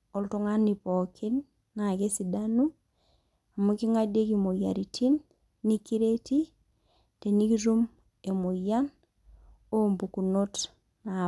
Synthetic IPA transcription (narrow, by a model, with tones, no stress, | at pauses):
o˨lto˦ŋa˦ni˨pɔ˨kʰi˦nː | a˨ke˦si˨danu˦ | a˨mu˦ki˦ŋa˦de˦kimo˨ja˨ɾi˨tʰi˦nː | i˦ki˦ɾe˦ti˦ | te˨ni˦ki˦ɾu˦m | e˨mo˨jan | o˦mbuku˨no˦t | na